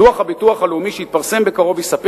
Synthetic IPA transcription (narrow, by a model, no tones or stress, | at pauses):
uaχhabituaχaleumiʃeit̪̚paʁse̞mbe̞kaʁo̞vjesape